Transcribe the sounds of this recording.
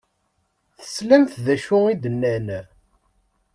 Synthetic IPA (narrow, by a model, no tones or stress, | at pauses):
θə̥slæmθðæʃʊid̪ənːæn